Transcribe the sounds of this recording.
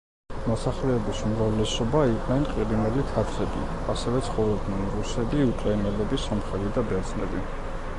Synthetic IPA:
mɔsaχlɛɛbisumɾavlɛsɔbaiqʼnɛnqʼiɾinɛlit̪ʰaɾt̪ʰɛbḭ | asɛvɛt̪sʰχɔvlɔd̪nɛnɾusɛbiukʼɾainɛlɛbisɔmχɛlid̪abɛɾt̪zʰnɛbi

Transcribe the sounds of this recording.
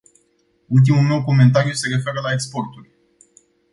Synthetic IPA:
ult̪̬imulme̞wko̞me̞nt̪aɾiuse̞ɾe̞fe̞ɾəlaekspo̞rt̪urʲ

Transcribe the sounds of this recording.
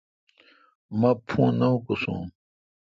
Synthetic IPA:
mɐpʰũnɐɦukosṵ̃

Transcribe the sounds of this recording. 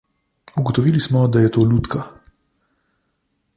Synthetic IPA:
uɡɔt̪ɔʋiːlismɔd̪ajɛt̪oːlut̪ka

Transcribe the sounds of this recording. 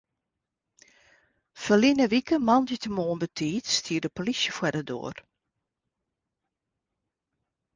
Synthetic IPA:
fəlinəʋikəmɑnditəmoːənbətʰiːtstʰiːərdəpolisjəfwɛdədo̰ːər

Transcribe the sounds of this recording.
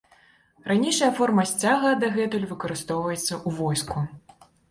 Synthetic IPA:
ranʲejʂɐjɐfɔrmɐsʲt͡sʲaɣɐd̪ɐɣɛt̪ulʲvɨkɐɾɨst̪ɔwvɐjɛt̪sːɐʔuvɔjsku

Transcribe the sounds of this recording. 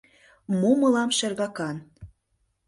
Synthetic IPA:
mumɤlɑmʃĕrɣɑkɑn

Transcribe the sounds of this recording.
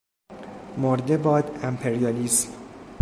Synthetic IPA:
moɾd̪ebɒːd̪æmpʰeɾijɒliːsm

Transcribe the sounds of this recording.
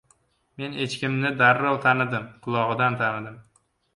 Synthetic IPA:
me̞ne̞t͡ʃkʲɪmnɪd̪aɾːɒlˠt̪ʰanɪd̪ɪmqʰʊlˠɒʁɨd̪ant̪ʰanɪd̪ɪm

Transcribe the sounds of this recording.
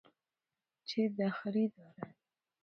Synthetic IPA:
t͡ʃed̪axɾid̪ɑɾa

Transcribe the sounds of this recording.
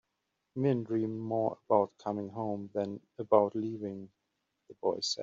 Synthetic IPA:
mɪ̃ndɹĩmːɔːɹə̰baʊt̚kʰʌmɪ̃ŋɦõʊ̃mðə̃n | əbaʊtliːvɪ̃ŋ | ðəbɔɪsɛ̰

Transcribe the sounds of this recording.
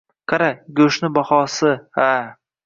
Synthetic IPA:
kʰaɾaɡʲɵʃnɪbɒχɒːsɪha

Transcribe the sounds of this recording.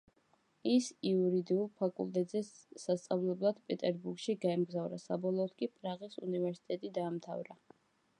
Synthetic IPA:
isiuɾid̪iulˠpʰakʼṵlˠt̪ʼɛt̪ʼzɛːast̪sʼavlɛblˠad̪̥pʼɛt̪ʼɛɾbuɾɡ̥ʃiɡaɛmɡzavɾa̰sabɔlˠɔːt̪kʼipʼɾaʁisṵnivɛɾsi̥t̪ʼɛt̪ʼid̪aːmt̪ʰa̰vɾa

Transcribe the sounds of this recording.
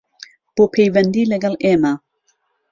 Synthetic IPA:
b̥opʰejvɛnd̪ileɡalema

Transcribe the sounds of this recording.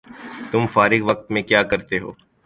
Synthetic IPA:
t̪ʊmfaːɾɪɡʋɐk̚t̪mẽkjaːkɐɾt̪eɦoː

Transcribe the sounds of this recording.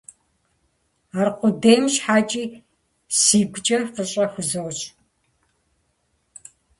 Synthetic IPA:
aːrqʷʊdejmʃħaːt͡ʃʼiː | siːɡʷt͡ʃʼɐfɨɕʼɐxʷʊzɐwɕʼ

